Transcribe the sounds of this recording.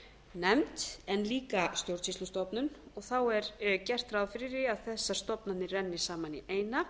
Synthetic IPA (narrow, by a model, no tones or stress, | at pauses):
nɛmt̪ɛnːliːkast̪jowɾsislust̪ɔpnʏnɔɣθawɛɾcɛr̥t̪ɾaðfɪɾɪɾɪaðθɛsːḁst̪ɔpnannɪrɛnːɪ̥saːmaniʔeːjna